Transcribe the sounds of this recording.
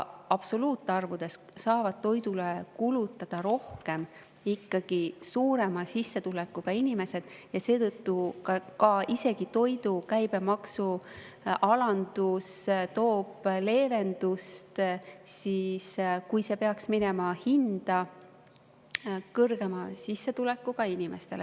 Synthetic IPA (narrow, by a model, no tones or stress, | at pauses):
ɑb̥so̞luːt̪ːˑeɑrvud̪̥e̞s | sɑːvɑd̪̥̚t̪o̞jd̪ulekulut̪ːˑɑd̪̥ɑɾo̞hke̞m | ikːɑɡ̥isuːɾe̞mɑsisːe̞t̪ulekːˑuɡ̥ɑinʲime̞se̞d̪̥jɑse̞ːt̪ɤt̪ːukɑkɑʔise̞ɡ̥it̪o̞jd̪ukæjb̥e̞mɑksu | ɑlɑnd̪ust̪o̞ːb̥le̞ːve̞nd̪ust̪siːskujse̞pe̞ɑksminemɑhind̪̥ɑ | kɤrɡ̥e̞mɑsisːe̞t̪ule̞kːˑuɡ̥ɑinʲime̞̰st̪e̞le